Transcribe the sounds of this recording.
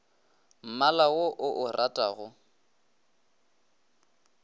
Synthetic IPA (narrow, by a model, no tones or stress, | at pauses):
m̩malawoʔʊʔʊrʔatʼaɣʊ